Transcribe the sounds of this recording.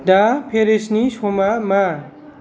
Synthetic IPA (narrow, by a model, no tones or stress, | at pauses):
dapʰeɾesnisomama